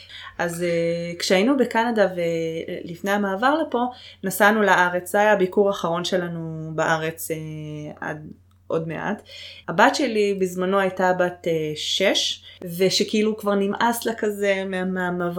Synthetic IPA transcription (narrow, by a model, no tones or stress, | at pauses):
ʔazekʃeainubekanadavelifne̞jamaːvaʁlepo̞nasanulaʔaʁe̞t͡szajabikuʁaχaʁo̞nʃelanubaʔaʁe̞t͡seʔa̰d̪ | ʔo̞dme̞̰ʔa̰thabatʃelibizmano̞ajtabateʃeʃveʃekeilukvaʁnimʔaslakaze̞meamaamav